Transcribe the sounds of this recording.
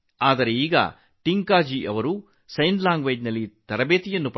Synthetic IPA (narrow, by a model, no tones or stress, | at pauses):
aːd̪ɐɾeiːɡɐ̰ | ʈiŋkaːd͡ʒiʔɐʋɐɾu | sɐjnd̪laːŋɡʋɐjdnɐlːit̪ɐɾɐbeːt̪ijɐnːup